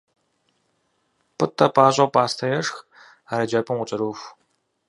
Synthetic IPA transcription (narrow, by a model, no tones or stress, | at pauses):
pʰɨtʰʼːɐpʰʼaːɕʼɐpʼaːstʰɐjɛʂx | aɾɐd͡ʒɐpʼɨmʊt͡ʃʼɐɾuːfʷ